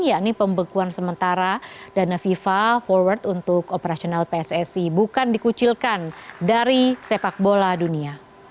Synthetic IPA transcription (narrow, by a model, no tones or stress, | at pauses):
jaʔnipəmbəkuansəmənt̪aɾadanafifafɔrwart̪unt̪ʊkopəɾasionalpeɛsɛsibukandikut͡ʃilkandaɾisepak̚boladunia